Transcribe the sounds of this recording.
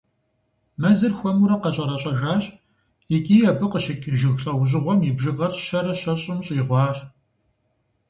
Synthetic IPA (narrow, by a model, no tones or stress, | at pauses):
mɐzɨrxʷɔmuɾɐqɐɕʼɐɾɐɕʼɐʒaːɕʼ | ɪkʼiːjɛbɨqəɕɪkʲʼʒɪɣɬɐwʑ̬ɪʁʷɔmibʒɨɣɐrʃɐɾɐɕɐɕʼɪmɕʼiːʁʷɑːɕ